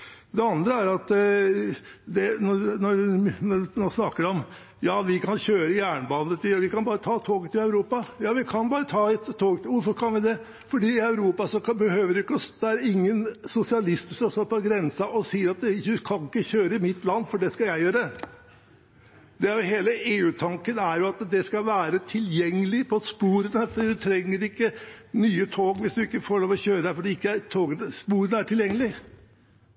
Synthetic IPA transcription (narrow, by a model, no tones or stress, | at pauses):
d̪ɛɑnd̪ɾəæɾɑt̪ | d̪ɛnɔnɔnɔɖʉnoːsnɑkːəɖɛɔm | jɑːʋɪkʰɑnɕøːɾəjæːɳəbɑnət̪ɪʋɪkɑnbɑːɾət̪ʰɑːt̪ʰoːɡət̪ʰːɪlɑʉɾuːpɑjɑːʋɪkʰɑnbɑːɾət̪ʰɑːɛt̪ʰːoːɡt̪ɪʋʊɾfɔɾkʰɑnʋɪd̪ɛ | fɔɖiːɪɑʉɾuːpɑsɔbəhøːʋəɾɪʊɪkːəɔsd̪ɛæɾɪŋːənsʊsɪɑlɪst̪ʂɔsɔpʰɔɡɾɛnsɑʔɔsiːəɾɑt̪ʉkʰɑnɪkːəçøːɾəɪmɪt̪ːlɑnːfɔɖɛskɑljæɪjøːɾə | d̪ɛæɾjʊheːləʔeːʉːt̪ʰɑŋkənæɾjʊɑt̪d̪ɛskɑʋæːɾət̪ʰɪljɛŋːəlɪpʰɔspuːɾənfɔɖiːd̪ʉt̪ʰɾɛŋːəɾɪkːənyːət̪ʰoːɡʋɪsd̪ʉɪkːəfoːɭoːʋɔçøːɾəæɾfɔɖiːɪkːəæt̪ʰoːɡənəspuːɾənəæʈʰɪljɛŋːəlɪ